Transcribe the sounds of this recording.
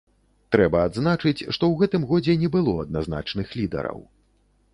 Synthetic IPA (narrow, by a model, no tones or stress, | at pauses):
t̪ɾɛbɐad̪znat͡ʂɨt͡sʲʂt̪ɔwɣɛt̪ɨmɣɔd͡zʲɛnʲɛbɨlˠɔɐd̪̚nazn̪a̰t͡ʂnɨxlʲid̪ɐ̰ɾɐ̰w